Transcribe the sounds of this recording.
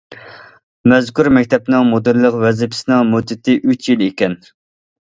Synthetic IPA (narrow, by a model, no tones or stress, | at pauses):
mɛzkuɾmɛkʲt̪ʰɛpnɨŋmod̪ɨɾlˠəqvɛzɪpʰɪ̥sɪnɨŋmod̪ɪt̪ʰɪʔyt͡ʃjilekʲɛn